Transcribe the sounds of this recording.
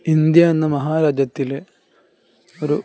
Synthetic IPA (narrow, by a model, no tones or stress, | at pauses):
ind̪jɐɐnːɐmɐɦaːɾaːd͡ʑjɐt̪ːile | oɾu